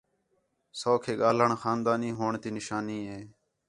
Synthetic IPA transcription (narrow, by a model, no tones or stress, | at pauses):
soːkʰeːɠaːləɳxaːnd̪aːniːɦoːɳt̪iːnɪʃaːniːɦeː